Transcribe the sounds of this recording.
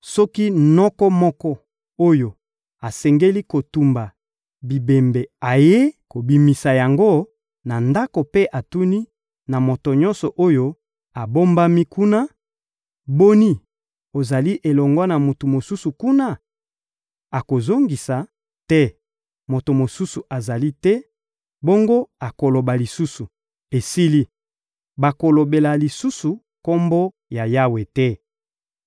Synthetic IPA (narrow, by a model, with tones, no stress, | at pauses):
sɔ˦ki˦nɔ˦kɔ˦mɔ˦kɔ˦ | o˦jo˨ | a˨sɛ˨ŋɡe˦li˦ko˨tu˨mba˨ | bi˨be˨mbe˨a˨je˦ko˨bi˨mi˨sa˨ja˨ŋɡo˦ | na˨nda˦ko˨pe˦ʔa˨tu˦ni˦ | na˨mo˨to˨ɲɔ̃˦nsɔ˨ʔo˦jo˦ | a˨bo˦mba˦mi˦ku˦na˦ | bo˦ni˦ | o˨za˨li˦ʔe˨lɔ˨ŋɡɔ˦na˨mo˨tu˨mo˨su˦su˨ku˦na˦ | a˨ko˨zo˦ŋɡi˨sa˨ | tɛ˦ | mo˨to˨mo˨su˦su˨ʔa˨za˨li˦tɛ˦ | bo˦ŋɡo˦a˨ko˨lo˨ba˨li˨su˦su˨ | e˨si˦li˦ | ba˨ko˨lo˨be˨la˨li˨su˦su˨ | ko˦mbo˦ | ja˨ja˦we˨tɛ˦